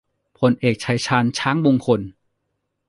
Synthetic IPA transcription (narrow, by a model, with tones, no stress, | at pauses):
pʰo˧nʔeː˨˩k̚t͡ɕʰa˧jt͡ɕʰaː˧nt͡ɕʰaː˦˥ŋmo˧ŋkʰo˧n